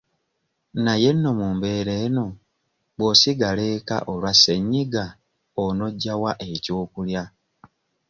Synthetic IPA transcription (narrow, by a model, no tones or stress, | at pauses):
naje̞nːo̞muːmbe̞ɾe̞ːno̞ | bwosiɡaleka̰ʔolwasːe̞ɲːiɡa | ono̞ɟːawaʔe̞coːkulja